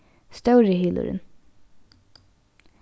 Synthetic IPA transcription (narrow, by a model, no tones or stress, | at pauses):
st̪ɑʉɾəhɪːlʊ̰ɾə̰n